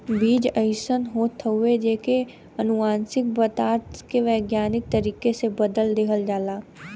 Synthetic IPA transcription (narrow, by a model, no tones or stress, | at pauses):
biːd͡ʒəɪʃənɦoːt̪ʰːəued͡ʒeːke | ɐnʊʋãːnsɪk̚bət̪aːɾt̪keʋeːɡjaːnɪk̚t̪əɾiːkesebəd̪əld̪eːkəld͡ʒaːlaː